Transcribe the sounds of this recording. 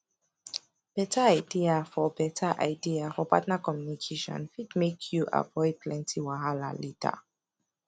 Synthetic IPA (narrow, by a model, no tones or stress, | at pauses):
b̥ɛtaaɪdiafɔbɛtʰaʔa̰ɪdiafɔpatnakɔmjunikʰeʃɔ̰̃nfidmekʰjuʔa̰vɔɪd̚pʰlɛ̃ntʰiwaɦala̰litʰa̰